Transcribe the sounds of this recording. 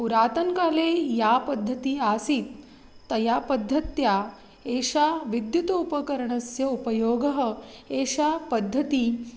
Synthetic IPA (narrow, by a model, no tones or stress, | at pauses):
uɾaːt̪ɐŋkaːleːjaːpɐd̪ʱːɐt̪iaːsiːt̪ː | ɐjapɐd̪ʱːɐt̪ja | eːʃaːʋid̪jut̪ɐupɐkɐɾɐɳɐsjɐupɐjoːɡɐɦɐ̆eːʃaːpɐd̪ʱːɐt̪i